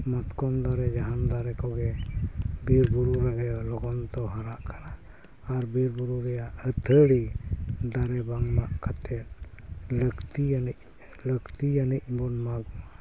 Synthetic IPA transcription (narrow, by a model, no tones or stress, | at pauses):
mɔt̪kɔmd̪aɾɛd͡ʒaɦand̪aɾɛkɔɡɛ | biɾbuɾuɾaɡɛlɔɡɔnt̪ɔɦaɾaʔkana | aɾbiɾbuɾuɾɛjaʔət̪ʰəɽid̪aɾɛbaŋmaʔkat̪ʰɛt̪̚ləkt̪ijanic̚ | ləkt̪ijanic̚bɔnmaɡmaʔ